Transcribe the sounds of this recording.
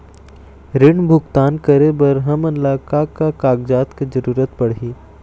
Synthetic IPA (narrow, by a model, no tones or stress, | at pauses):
ɾɪɳbʱʊɡt̪aːnkəɾebɐɾɦɐmɐnlaːkakakaːɡ̚d͡ʒaːt̪ked͡ʒəɾuːɾət̪̚pɐɽɦiː